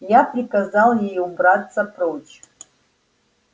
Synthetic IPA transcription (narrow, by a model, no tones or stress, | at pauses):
japrʲikazalˠjejubratt͡ssɐpʰʼrot͡ʃʰ